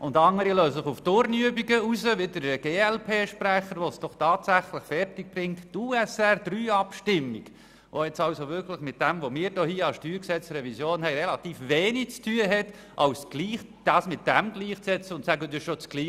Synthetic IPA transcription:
ʔʊndɑŋːəɾiløːsəsɪχuftʊɾnyəbiɡəuzəʋɪdəɾɡ̥eːɛlpʰeːʃpɾæχəɾʋosd̥ɔχtɑːtsæχləχfɛrtɪk̚b̥ɾɪŋttuːɛsɛrd̥̪ryːɑpʃtɪmːiɡ | ʔoɛt͡sɑʊsovʏɾkləχmɪt̚d̥ɛmvomɪːɾdɔːhiːəɑlsʃtyːɾksɛt͡srɛvisjoːnhɛɪɾɛlɑtiːfveːnit͡stʰyːəɦɛt | ʔɑʊsɡ̥liːχ | d̥ɑːsmɪt̚d̥ɛmɡ̥liːχt͡sɛt͡səʊntsæɡədɪʃot͡sɡ̥liː

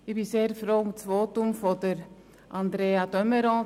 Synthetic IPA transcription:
ɪbiseːɾfɾoːʊmt͡svoːtʊmfodəɾ | ʔɑnd̪ɾeːɑdœməɾɔ̃ː

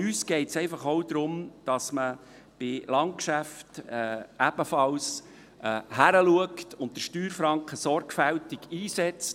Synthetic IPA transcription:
yːsɡ̥ɛɪtsɛɪfɑχoʊd̪ɾʊmd̥ɑsmə | b̥ɪlɑnt̚kʃæftɛːæb̥əfɑls | ʔɛhæɾəluəktʊnt̚dəʃtyːɾfɾɑŋkχəsɔɾkfæltɪɡiːsɛt͡st

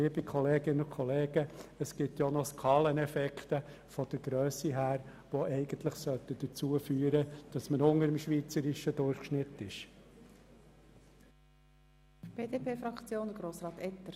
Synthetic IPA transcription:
iəbikʰɔleːɡ̥ɪnənʊkʰχɔleːɡ̥əəsɡ̥ɪt̪jonɔskʰɑːlənɛfɛkʰt̪ə | fɔd̥əɡ̥ɾøœːsiɦæːɾ | ʋoɛɪɡ̥ənt̪lɪχsœlt̪əd̥ət͡suːəfyːəɾəd̥ɑsmənʊŋəɾəmʃʋiːt͡səɾɪʃədʊɾχʃnɪtːɪʃ | b̥eːdeːpeːfɾɑkt͡sjoːnd̪əɡɾoːsɾɑːt̪ɛt̪əɾ

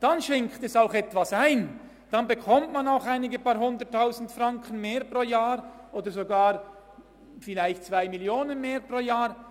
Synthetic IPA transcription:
d̥anʃɛŋktɛsaʊxɛtv̥asaɪn | d̥anbəkʰɔmtmanaʊxaɪnɪɡəpaɦʊndətʰːaʊzn̩tfrʁɑŋkʰən̩meːɾpʁoːjaːʁʔoːdəɾzoɡaːʁ | fɪlaɪçt̚t͡sv̥aɪmiljoːnənmeːɾpʁoːjaːʁ

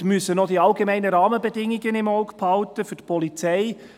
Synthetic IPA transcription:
mysənod̥iɑlɡemɛɪnəɾɑːməbedɪŋɪɡənɪmɔʊkphɑltəfʏtpʰɔlit͡sɛɪ

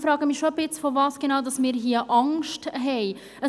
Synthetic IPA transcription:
fɾɑːɡəmiʃoəbɪt͡sfovɑːsɡ̥enaːʊdɑsmɪːɾɦiəʔɑŋʃtɦɛɪ | ə

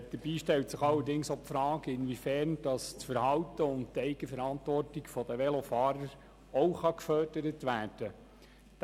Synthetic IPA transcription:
d̥əɾbiːʃtɛltsɪχɑlːəɾdɪŋsopfɾɑːɡəɪnʋifɛːɾnd̥ɑst͡sfəɾhɑwtəʊnttɛɪɡ̥əfəɾɑntʋɔrtikfɔd̥̪əʋɛlofɑːɾəɾ | ɔʊχɑkfœːd̥əɾətʋæːɾd̥ə | d̥

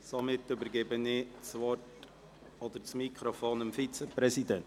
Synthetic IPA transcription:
somɪtːʏbəɾɡɛbənɪt͡sʋɔrt | ɔd̪əɾt͡smikχɾofoːnəmfit͡səpɾɛsid̪ɛn

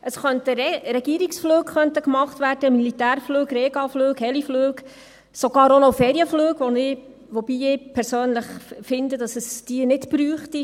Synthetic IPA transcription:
ʔəsχœntəɾɛɡ̥iːɾiksfløːkχœnt̪əkmɑχtʋæːɾd̥əmilit̪æːɾfløːkreːɡɑfløːkhɛlifløːɡ | soɡ̥ɑːɾonofɛːɾiəfløːɡʋɔnɪː | ʋɔb̥iːɪpʰɛɾsøːnləχfɪnd̪ədɑsəsd̥iənɪtbɾyːχti

